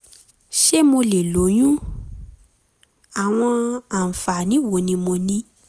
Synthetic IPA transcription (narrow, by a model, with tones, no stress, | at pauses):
ʃe˦mo˧le˨lo˨˦j̃ũ˦ | a˨w̃ɔ̃˧a˨fa˨nĩ˨˦wo˨˦nĩ˧˦mo˧nĩ˦